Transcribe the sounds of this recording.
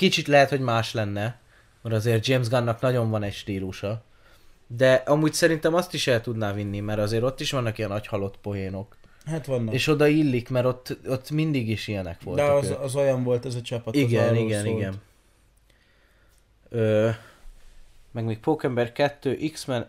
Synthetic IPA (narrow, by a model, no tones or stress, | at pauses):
kit͡ʃit̪lɛɦɛt̪ho̞ɟmaːʃlɛnːɛ | mɛɾɒzeːr̚d͡ʒeːmzɡɒnːɒknɒɟo̞ɱvɒnɛcʃt̪iːluʃɒ | d̪ɛʔɒmuːɟsɛɾint̪ɛmɒst̪iʃɛlt̪ud̪naːvinːimɛɾɒzeːɾo̞t̪ːiʃʋɒnːɒkijɛnɒchɒlo̞t̪po̞ɦeːno̞k | hat̪ʋɒnːeːʃo̞d̪ɒilːikmɛɾo̞t̪ːot̪ːmind̪iɡiʃijɛnɛkʋo̞ltd̪ɛɒzojɒɱvo̞lt̪ɛzɒt͡ʃɒpːɒtiɡɛniɡɛniɡɛn | øː | mɛɡmeːk̚poːkɛmbɛrkɛt̪ːøːʔiksmɛn